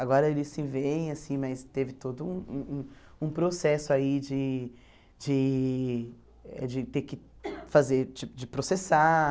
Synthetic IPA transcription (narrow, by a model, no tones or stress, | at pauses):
aɡɔɾɐelɪsĩvẽj̃ɐsĩmɐst̪evɪt̪od̪ʊũũũ | ũpɾosɛsʊaid͡ʒɪ | d͡ʒɪ | ɛ̰d͡ʒɪt̪eɾkɪ | fazeɾt͡ʃipʊd͡ʒɪpɾosesa